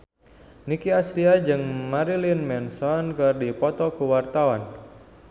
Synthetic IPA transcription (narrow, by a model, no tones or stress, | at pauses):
nikiasɾiad͡ʒɨŋmaɾilinmɛnsɔnkɨrdipɔt̪ɔkuwart̪awan